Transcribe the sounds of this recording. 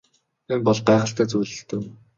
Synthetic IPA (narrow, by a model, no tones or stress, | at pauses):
empɔɮχɢæːχə̆ɬt̪ʰæːt͡sujɮɵ̆ɬt̪ɘ̆w